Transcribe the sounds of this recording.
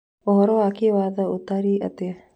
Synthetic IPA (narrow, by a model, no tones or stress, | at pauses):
oɦoɾoːakiʋaːd̪əut̪ːaɾiːʔə̰t̪e